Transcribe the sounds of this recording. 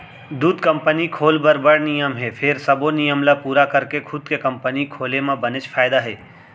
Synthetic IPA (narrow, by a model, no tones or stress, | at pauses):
d̪uːd̪kə̃mpənikʰoːlbəɾbəɽnɪjəmɦɛpʰɪɾsɐbonɪjəmlapuːɾakɐɾkekʰʊd̪kekɐmpənikʰoːlemãbɐnɪt͡ʃfʰaːɪd̪aɦɛː